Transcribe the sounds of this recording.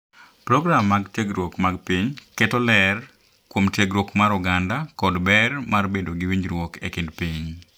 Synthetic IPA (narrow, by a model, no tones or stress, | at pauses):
pɾɔɡɾamːaɡteɡɾwokmaɡpiɲkɛtɔlɛr | kwomtjeɡɾwokmaɾʊɡandakɔdbɛrmarbedoɡɪwiɲd͡ʒɾwɔkḛkɪndpiɲ